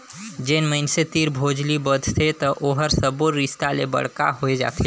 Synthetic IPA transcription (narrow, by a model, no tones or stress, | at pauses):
d͡ʒenməɪnset̪iɾbʱod͡ʒlibəd̪ʱt̪ʰet̪əʔoɦəɾsəboɾist̪alebə̰ɽ̤ka̰ɦoed͡ʒa̰ːt̪ʰe